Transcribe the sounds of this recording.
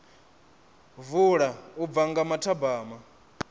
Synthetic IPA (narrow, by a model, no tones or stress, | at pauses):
vuɺaub̪vaŋɡamatʰabaːma